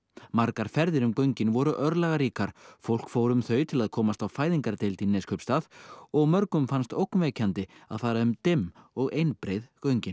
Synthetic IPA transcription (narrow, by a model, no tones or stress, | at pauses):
maɾkaɾ̥fɛɾðɪɾʏmkœɥɲcɪnvɔɾʏʔœɾlaɣaɾiːkaɾ̥fowl̥kfowɾʏmθœːɥt̪ʰɪlaðkʰɔːmast̪awfaːjðiŋkaɾt̪ejlt̪inɛskʰœpst̪aːðɔɣmœɾkʏmfanst̪owknvɛcant̪ɪa̰ðfaːɾaʏmt̪ɪmːɔɣejnpɾejðkœɥɲcɪn